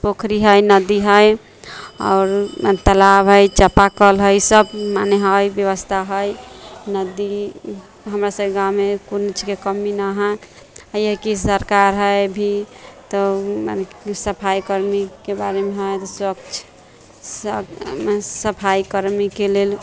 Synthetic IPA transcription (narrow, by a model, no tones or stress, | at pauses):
pokʰɾiɦəjnəd̪iɦəj | a̰ʊɾt̪əlabɦəjt͡ʃəpakəlɦəjsəbmaneɦəjbjəβəst̪ʰaɦəjnəd̪i | ɦəmɾasəbkeɡawmekont͡ʃʰikekəminaɦə | əjəkisəɾkaɾɦəjbʱit̪ɔma̰nesəpʰajkəɾmikebaɾemeɦəjt̪ɔswəkt͡ʃʰ | səpʰajkəɾmikelel